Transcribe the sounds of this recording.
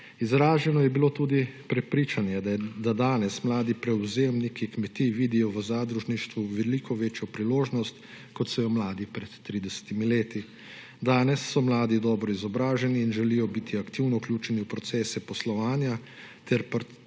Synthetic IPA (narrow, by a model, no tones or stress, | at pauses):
izɾaːʒɛnɔjɛbiloːt̪uːd̪ipɾɛpɾiːt͡ʃanjɛd̪ad̪aːnɛsmlaːd̪ipɾɛuzeːmnikikmɛt̪iʋiːd̪ijɔʋəzaːd̪ɾuʒniʃt̪ʋuʋɛliːkʰɔʋeːt͡ʃjɔpɾiloːʒnɔst̪ | kɔt̪sɔjɔmlaːd̪ipɾɛt̪ːɾiːd̪ɛsɛ̥t̪imileːt̪i | d̪aːnɛsːɔmlaːd̪id̪ɔːbɾɔizɔbɾaːʒɛniːnʒɛlijɔbit̪ʰiakt̪iwnɔuklʲjuːt͡ʃɛniupɾɔt̪sɛːsɛpɔslɔʋaːnja | t̪ɛɾpɾ